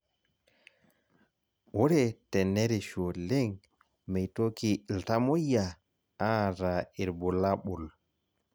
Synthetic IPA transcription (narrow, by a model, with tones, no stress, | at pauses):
wɔ˦ɾɛtɛ˨nːɛɾiʃo˨le˦ŋ | mɛ˨jto˦ki˨ltamo˦jːa | a˦ɾa˨i˨ɾbɔ˨laɓu˨l